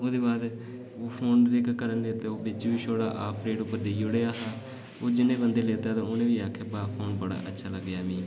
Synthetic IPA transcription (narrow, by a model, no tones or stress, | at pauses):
oːd̪eːbaːd̪ | oːpʰoːnlɪkkːəɾənleːt̪eoːbɪt͡ʃʋiːʃoːɽa̰ːʔa̰ːpʰɾeːɖʊpːəɾd̪eːjʊɽeːaːɦaː | oːd͡ʒɪnːẽːbənd̪eːleːt̪aːt̪ãːonẽːʋiːaːkʰeːbaːpʰoːnbəɽa̰ːʔətːʃʰaːləɡːjaːmĩː